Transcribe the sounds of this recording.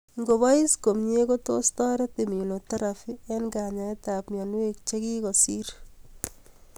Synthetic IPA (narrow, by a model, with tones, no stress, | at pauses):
ŋɡo˨ba˦i˦sko˨mɲe˦ko˦to˦stɔ˦ɾɛ˦te˨mi˨lo˨taɾa˨fie˦nɡa˨ɲa˨eta˨pmjɔ˨nwe˦k̚t͡ʃe˦ki˦kɔ˨si˦ɾ